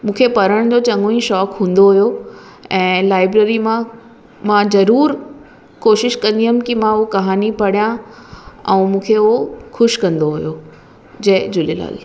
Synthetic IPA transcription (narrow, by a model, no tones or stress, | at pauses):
mũːkʰepɐɾəɽ̃d͡ʑoːt͡ɕɐ̃ŋõĩʃɔːkɦũːn̆d̪oɦʊjo | ɛ̃ːlaːɪbɾeːɾimã | mãzɐɾuːɾ | koːʃɪʃkɐ̃nd̪iɦʊm̆kɪmãukɐɦaːnipɐɽijã | ɛ̃ːmũːkʰeoxʊʃkɐ̃nd̪oɦujo | d͡ʑɐɦd͡ʑʊlila̰ːl